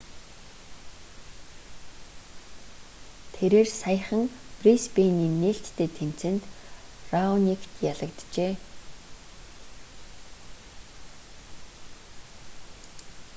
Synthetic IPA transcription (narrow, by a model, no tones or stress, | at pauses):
t̪ʰeɾeːrsajə̆χə̆ŋprispeniːneːɬt̪ːʰeːt̪ʰem̥t͡sɘ̆nt̪raunikʰt̪jaɮə̆kt̪t͡ɕeː